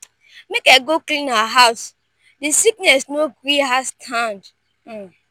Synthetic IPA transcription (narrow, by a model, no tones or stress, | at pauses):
mekaɡoklĩnawaɦaʊs | disiknɛsnoɡɹiɦastʰãnd̩